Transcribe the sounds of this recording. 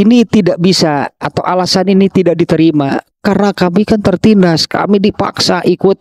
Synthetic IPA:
init̪idaʔ̚bisaat̪awʔalasaninit̪idaʔ̚dit̪əɾima | karnakamikant̪ərt̪indaska̰midipa̰ksaʔikʊt̪̚

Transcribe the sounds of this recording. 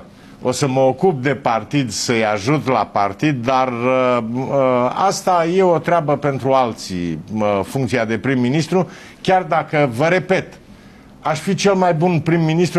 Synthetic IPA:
o̞səməokup̚d̪e̞part̪id̪səjaʒut̪lapart̪id̪ːar | əast̪aje̞o̞t̪ɾeabəpe̞nt̪ɾualt̪sḭfuŋkt̪siad̪e̞pɾimːinist̪ɾu | kʲard̪akəvəɾe̞pe̞t̪ | aʃfit͡ʃe̞lmajbunpɾimːinist̪ɾu

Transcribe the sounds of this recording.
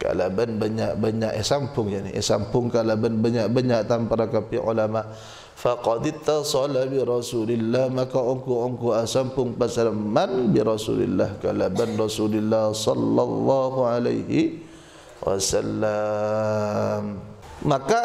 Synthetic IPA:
ka̰labanbaɲaʔbaɲaʔɛsampʊŋd͡ʒanḭɛ̰sa̰mpʊŋkalabanbaɲaʔbaɲaʔt̪ampaɾakapiʕṵlamaʔ | faqɑd̪t̪asɑlabiɾˤɑsulɪlːahmakaʔoŋkuʔɔŋkuasampʊŋpasalamːanbiɾɑsṵlɪ̰lːa̰hkalabanrɑsulɪlːahsɑ̰lːɑlːɑɦuʕala̰jɦi | wa̰salːa | mː | aka

